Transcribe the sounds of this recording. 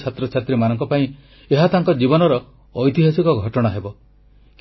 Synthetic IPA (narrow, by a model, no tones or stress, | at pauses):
t͡ʃʰat̪ɾɔt͡ʃʰat̪ɾimanɔŋkɔpaĩ | eɦat̪aŋkɔd͡ʒibɔnɔɾɔː | jt̪iɦasikɔɡʱɔʈɔɽ̃aɦebɔ | k